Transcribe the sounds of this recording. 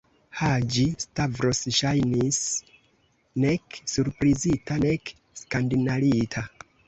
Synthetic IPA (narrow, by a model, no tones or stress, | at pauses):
had͡ʒistavɾosʃajnis | ne̞ksuɾpɾizitane̞k | skandinaɾitʰa